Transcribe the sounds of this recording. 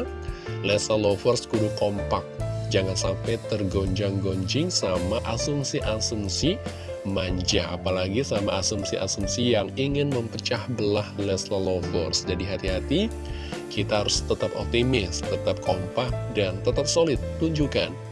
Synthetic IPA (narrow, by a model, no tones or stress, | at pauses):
lɛslalofɔrskudʊkompak̚d͡ʒaŋansampajt̪ərɡoɲd͡ʒaŋɡoɲd͡ʒɪŋsamaʔasumsiʔasumsi | maɲd͡ʒa̰a̰palaɡisamaasumsiʔa̰sumsijaŋiŋɪnməmpət͡ʃahbəlahlɛslalofɔ̰rsd͡ʒadiɦat̪iɦat̪i | kit̪aɦaɾʊst̪ət̪apɔ̰k̚t̪imɪst̪ət̪ap̚kʰompak̚dant̪ət̪ap̚solɪt̪ːuɲd͡ʒuka̰n